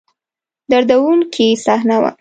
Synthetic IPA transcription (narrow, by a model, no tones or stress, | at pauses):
d̪aɾd̪awuŋkʰisɑhnawa̰